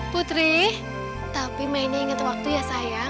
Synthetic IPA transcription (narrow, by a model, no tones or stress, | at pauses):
put̪ɾɪh | t̪apimaineːŋət̪wak̚t̪ujasaja